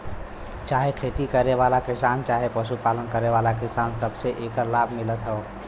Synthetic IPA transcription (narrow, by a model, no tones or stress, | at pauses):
t͡ʃaɦekʰet̪ikəɾeʋalakisant͡ʃaɦepəʃupalənkəɾeβalakisansəbseʔekəɾlabʱmilət̪ɦɛ